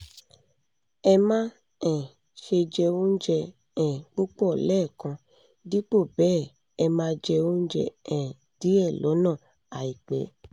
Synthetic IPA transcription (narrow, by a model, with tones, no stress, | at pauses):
ɛ˧mã˦ | ɛ̃˨ | ʃe˧d͡ʒɛ˧o˦n̩˦d͡ʒɛ˧ | ɛ̃˨k͡pu˦k͡pɔ˦˨lɛː˦˨kã˧ | di˦k͡po˦˨bɛː˦˨ | ɛ˧mãː˦d͡ʒɛ˧o˦n̩˦d͡ʒɛ̰˧ɛ̃˨ | d̥i˨˦ɛ˦˨lɔ˨˦nã˦˨ | a˨i˨k͡pɛ˨˦